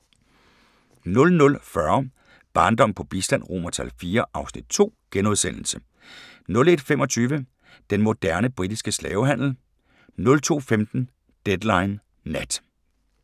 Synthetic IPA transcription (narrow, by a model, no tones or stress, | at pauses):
nɔ̽lnɔ̽lfɶɐ | b̥ɑ̈ːnd̥ɒ̽m̰pʰɒ̽b̥isd̥æn̰ʁo̝̰ːmɐt͡sʰælfiːɐʔɑ̈ʊsnid̥̚t͡sʰo̝̰ːɡ̥enoð̞ˠsen̰l̩sə | nɔ̽le̝d̥femɒ̽t͡sʰyːʋə | d̥enmo̝d̥æɐnəb̥ʁid̥isɡ̥əslɛːʊɦæn̰l̩ | nɔ̽lt͡sʰo̝̰ːfemd̥n̩ | d̥ed̥lɑ̈ɪnː | æd̥